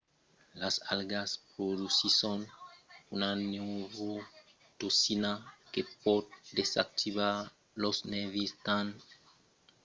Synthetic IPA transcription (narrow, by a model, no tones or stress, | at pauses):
lasalɡaspɾodusisonunanewvo | t̪osinakepɔt̪̚d̪esak̚t̪iβaɾ | losnevist̪an